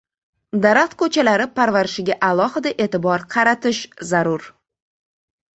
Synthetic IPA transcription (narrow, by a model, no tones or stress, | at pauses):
d̪aɾaqt̪kʰɵt͡ʃʰalaɾɪpʰaɾvaɾɪʃɪɡʲaʔalˠɒhɪd̪aʔe̞ːt̪ɪbɒɾqʰɑɾat̪ʰɪʃzaɾʊɾ